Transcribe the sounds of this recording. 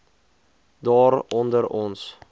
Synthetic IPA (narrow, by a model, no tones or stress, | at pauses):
dɑːɾɔndəɾɔns